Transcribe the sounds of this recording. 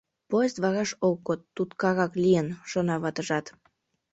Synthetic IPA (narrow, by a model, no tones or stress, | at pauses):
poest̪βɑɾɑʃok̚ːot̪ːut̪kɑɣɑklijənʃonɑβɑt̪əʒɑt̪